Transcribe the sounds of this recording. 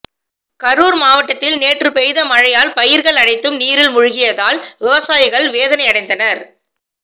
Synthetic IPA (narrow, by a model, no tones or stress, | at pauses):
kɐɾuːɾmaːʋɐʈːɐt̪ːɪlneːʈrɯpɛjðɐmɐɻɐjaːlpɐjɪɾɣɐɭɐɽɐɪt̪ːɯmniːɾɪlmʊɻʊɣɪjɐðaːlʋɪʋɐsaːjɪɣɐɭʋeːðɐnɐɪɐɽɐɪnd̪ɐnɐɾ